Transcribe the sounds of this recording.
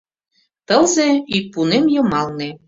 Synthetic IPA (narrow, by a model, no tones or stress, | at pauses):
t̪ə̆lzeipunemjɤ̆mɑlne